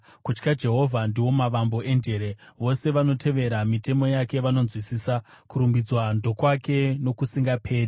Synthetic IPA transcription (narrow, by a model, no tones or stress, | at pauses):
kut͡ʃkad͡ʒe̞ɦo̞vʱandiwo̞maʋambo̞e̞nde̞ɾeʋo̞se̞ʋano̞tʰe̞ʋe̞ɾamite̞mo̞jake̞ʋano̞nzwisiːsakuɾumbid͡zwando̞kwake̞no̞kusiŋɡapʰe̞ːri